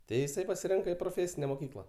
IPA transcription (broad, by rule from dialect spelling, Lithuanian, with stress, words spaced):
ˈtɐɪ ɪˈsɐɪ pɐsʲɪˈrʲɪŋkɐ ɪ proːˈfʲeːsʲɪnʲɛ moːˈkʲiːklˠɐ